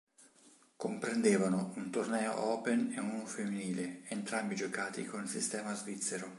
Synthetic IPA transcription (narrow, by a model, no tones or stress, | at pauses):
kompɾend̪eːvanount̪ornɛːo̰ɔːpeneunofemːiniːleent̪ɾambid͡ʒokaːt̪ḭkonilsist̪ɛːmazvit̪sːeɾo